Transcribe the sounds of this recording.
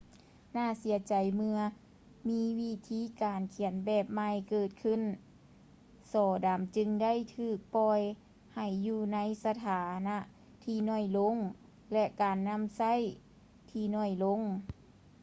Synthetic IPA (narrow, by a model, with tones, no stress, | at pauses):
naː˧˥˩si˨˦ɐt͡ɕa˨˩jmɯ˧ɐ | miː˧˥wi˧˥t̪ʰiː˧˥˨kaː˨nkʰi˨˦ənbɛː˧˩p̚ma˧jkɤː˧˩t̪̚kʰɯ˧˥˨n | sɔː˨˩daː˨˩mt͡ɕɯ˧ŋda˥˨jt̪ʰɯː˧˩k̚pɔː˧˩j | ha˧˩jːuː˧na˧˥jsa˧t̪ʰaː˨˦na˧ʔ | t̪ʰiː˧nɔː˧˩jlo˧˥˨ŋ | lɛ˧ʔkaː˨˩nːa˧˥˨msa˧˥˨j | t̪ʰiː˧˩nɔː˧˩jlo˧˥˨ŋ